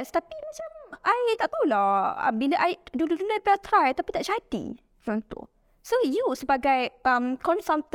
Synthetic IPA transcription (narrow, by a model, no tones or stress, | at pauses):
st̪apimat͡ʃamʔajt̪aʔt̪ulɔə̰biləʔajduludunapɛlt̪ɾajt̪apit̪aʔt͡ʃatḭ | d͡ʒɔ̃nt̪ṵʔ | sojusəbaɡajəmkɔ̃nsãnt̪